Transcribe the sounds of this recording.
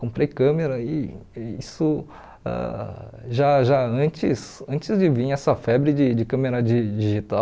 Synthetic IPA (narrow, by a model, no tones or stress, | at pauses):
kõmpɾejkɐ̃meɾɐɪisʊ | ɛ̰ʒaʒaɐ̃t͡ʃɪsɐ̃nt͡ʃɪzd͡ʒɪvĩɲɛsɐfɛbɾɪd͡ʒɪd͡ʒɪkɐ̃meɾɐd͡ʒid͡ʒiʒit̪a